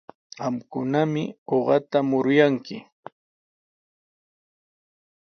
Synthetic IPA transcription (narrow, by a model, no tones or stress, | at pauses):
ɢɑmkʊnamɪoɢɑt̪amʊɾʊjaŋkɪ